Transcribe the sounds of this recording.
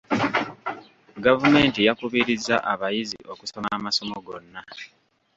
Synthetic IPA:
ɡavume̞ːntijakuβiɾiza̰ʔaβajizḭʔoku̥somamaso̞moɡo̞nːa

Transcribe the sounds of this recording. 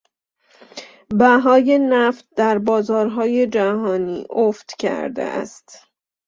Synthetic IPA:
bæɦɒːje̞næft̪̚d̪æɾbɒːzɒːɾɦɒːje̞d͡ʒæɦɒːnḭːʔoft̪cʰæ̰ɾd̪ḛʔæ̰st̪

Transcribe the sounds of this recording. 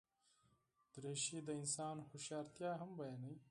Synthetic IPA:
d̪̥ɾeːʃid̪əɪnsɑːnxʊʃɑːɾt̪jɑːɦɐmbɐjanɐj

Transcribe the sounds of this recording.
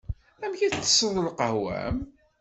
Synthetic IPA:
æmçitːə̥sˤɾˤəlqəhwæ̰m

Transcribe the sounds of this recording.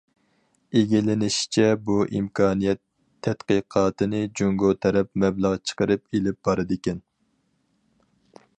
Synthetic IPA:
eɡʲilɪnɪʃt͡ʃʰɛbuʔimkʰɑːnijɛt̪ʰː | ɛt̪qəqʰɑːt̪ʰɨnɨd͡ʒuŋɡot̪ʰɛɾɛpmɛblˠəʁt͡ʃʰə̥qəɾɨpelɪp̚bɑɾɨd̪ɪkʲɛn

